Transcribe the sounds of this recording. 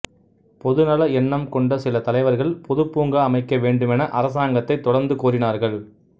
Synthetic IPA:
pɔðɯnɐlɐɛnːɐmkɔɳɖɐsɪlɐt̪ɐlɐɪʋɐɾɣɐɭpɔðɯpːuːŋɡaːmɐɪkːɐʋeːɳɖɯmɛnɐʔɐɾɐsaːŋɡɐt̪ːɐɪt̪ːɔɽɐɾnd̪ɯkuːɾɪnaːɾɣɐɭ

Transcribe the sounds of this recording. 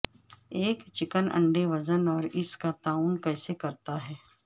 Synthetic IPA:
eːkt͡ʃɪkənɐ̰̃ɳɖeʋɐzənɔːɾɪskat̪aːʊnkɛːsekɐɾt̪aɦɛː

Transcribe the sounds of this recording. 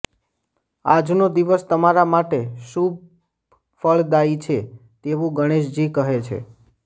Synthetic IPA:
a̰d͡ʒnod̪iʋəst̪əmaɾamaʈeʃub̚ | fəɭd̪ait͡ʃʰet̪eʋũɡəɽ̃eʃd͡ʒikəɦet͡ʃʰḛ

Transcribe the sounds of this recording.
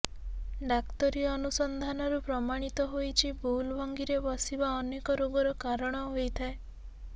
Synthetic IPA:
ɖakt̪ɔɾiɔnusɔnd̪ʱanɔɾupɾɔmaɽ̃it̪ɔɦojt͡ʃʰibulbɔŋɡiɾebɔsibaɔnekɔɾoɡɔɾɔkaɾɔɽ̃ɔɦojt̪ʰae

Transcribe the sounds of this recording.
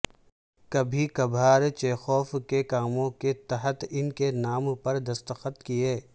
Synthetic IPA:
kɐbʱikɐbʱaːɾt͡ʃeːxɔːfkekaːmõket̪ɐɦət̪ɪnkenaːmpɐɾd̪ɐst̪əxət̪kieː

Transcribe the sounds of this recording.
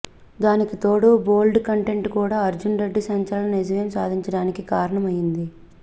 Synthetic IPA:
d̪aːnikit̪o̞ːɽubo̞ːlɖkɐɳʈe̞ɳʈkuːɽaːɐɾd͡ʒunɾeɖːisɐɲt͡ʃɐɾlɐned͡ʒɐʋeːmsaːd̪ʱiɲt͡ʃɐɽaːnikikaːɾɐɳɐmɐjːind̪i

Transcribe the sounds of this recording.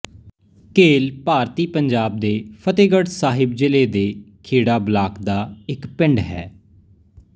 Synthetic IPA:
keːlpaːɾt̪iːpəɲd͡ʒaːb̚d̪eːpʰət̪eːɡəɽsaːɦɪb̚d͡ʒɪleːd̪eːkʰeːɽaːblaːkd̪aːɪkpɪ̃ɳɖɦɛ̰ː

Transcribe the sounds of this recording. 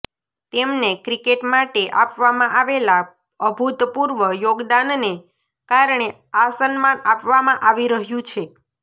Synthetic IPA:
t̪emnekɾikeʈmaʈeʔapʋamãʔaʋela | əbʱut̪puɾʋəjoɡd̪anne | kaɾɳe | asənmanapʋamãʔaʋiɾəɦjũt͡ʃʰe

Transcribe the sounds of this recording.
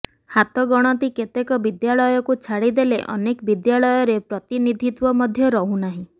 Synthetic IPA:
hat̪ɔɡɔɽ̃ɔt̪iket̪ekɔbid̪jaɭɔjɔkut͡ʃʰaɽid̪eleʔɔ̰nekɔbid̪jaɭɔjɔɾepɾɔt̪inid̪ʱit̪wɔmɔd̪ʱjɔɾɔɦũnaɦĩ

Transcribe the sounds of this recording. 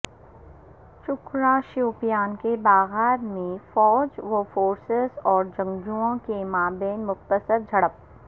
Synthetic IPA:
ʃʊkɾãʃuːpijaːnkebaːɣɛːɾmẽfɔːd͡ʒʋofoːɾsɪzɔːɾd͡ʒɐ̃ŋd͡ʒuõkemaːbeːnmʊxt̪əsəɾd͡ʒʱɐɽəp̚

